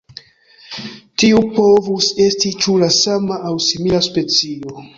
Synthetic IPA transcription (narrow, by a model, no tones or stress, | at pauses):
tiupo̞vuse̞stit͡ʃulasamaːwsimilaspe̞t͡sio̞